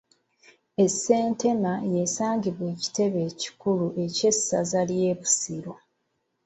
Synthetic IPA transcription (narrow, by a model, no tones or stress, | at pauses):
e̞se̞ːnte̞maje̞saːɲɟiβwe̞ːci̥te̞βe̞ːci̥kuluʔe̞ce̞sazalje̞ːβu̥siɾo̞